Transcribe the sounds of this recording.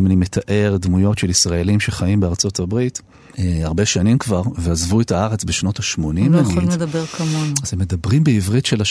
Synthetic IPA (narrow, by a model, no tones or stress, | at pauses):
manimetʰaʔe̞ʁdmujo̞tʃelisʁaelimʃe̞χajimbeaʁt͡so̞tabʁit | eaʁbe̞ʃanimkvaʁveazvuetaaʁe̞t͡sbeʃno̞taʃmo̞nimlimled̪ɐbeʁkʰamonoaz̥emːe̞dabʁimbeivʁitʃe̞la